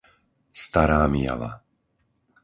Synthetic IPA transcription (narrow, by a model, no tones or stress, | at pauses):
st̪aɾaːmɪja̰la̰